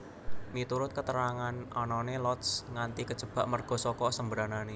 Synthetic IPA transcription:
mit̪uɾʊt̪̚kət̪əɾaŋanʔɔnɔnelɔt̪sŋant̪ikə̥d͡ʒ̥əb̥a̤ʔmərɡ̥ɔ̤sɔkɔsəmbəɾanane

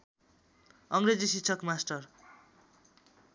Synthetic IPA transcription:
ʌŋɾed͡zisitt͡sʰʌkmasʈʌr

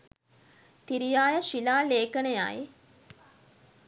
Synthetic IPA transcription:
t̪iɾijaːjəʃilaːleːkəneja̰j

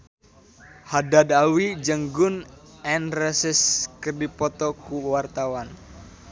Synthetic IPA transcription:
hadadawid͡ʒəŋɡʊnɛnrɛsɪskərdipɔt̪ɔkuwart̪awan

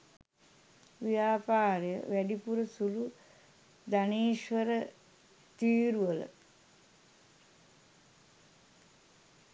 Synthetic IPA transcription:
ʋijaːpaːɾjə̰ʋæɖipuɾəsulu | d̪aneːʃʋəɾə | t̪iːɾuʋələ̰

